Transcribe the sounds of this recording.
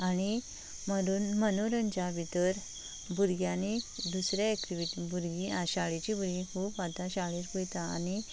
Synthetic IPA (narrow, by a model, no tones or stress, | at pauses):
añi | məɾuːnmənoɾəɲd͡ʑabit̪əɾ | bʱuɾɡjãnid̪usɾjaekʈiʋiʈibʱuɾɡiaɕaɭit͡ɕibuɾiɦupat̪aɕaɭiɾbujt̪aa̰ñi